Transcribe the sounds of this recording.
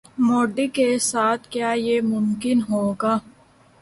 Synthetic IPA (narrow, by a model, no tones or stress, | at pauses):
moːɖikesaːt̪ʰkjaːjemʊmkɪnɦoːɡaː